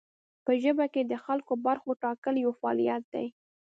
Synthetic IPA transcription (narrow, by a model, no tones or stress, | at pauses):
pəʒəbaked̪əxalkobaɾxoʈɑkəljawfaɑ̰lijat̪̚d̪a̰j